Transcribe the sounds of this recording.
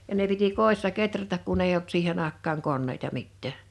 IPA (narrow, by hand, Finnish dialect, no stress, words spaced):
jɑ ne piti koˑisːɑ ketrætæk kun eij olt siːhen ɑˑekˑɑːŋ konːeitɑ mitːæˑ